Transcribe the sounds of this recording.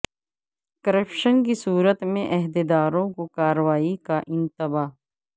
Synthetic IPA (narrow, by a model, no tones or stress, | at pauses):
kəɾepʃənkisuːɾət̪mẽʔɛɦd̪ed̪aːɾõkokaːɾəʋaːikaʔɪ̃nt̪əbaː